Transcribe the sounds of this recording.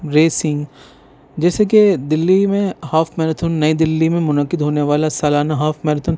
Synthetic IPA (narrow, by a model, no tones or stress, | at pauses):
ɾeːsɪ̃ŋɡ | d͡ʒɛːsek̬ed̪ɪlːimẽhaːfmɛːɾət̪ʰʊnːɐid̪ɪlːimẽmʊnəkːɪd̪ɦoːneʋaːlasaːlaːnaɦaːfmɛɾət̪ʰʊn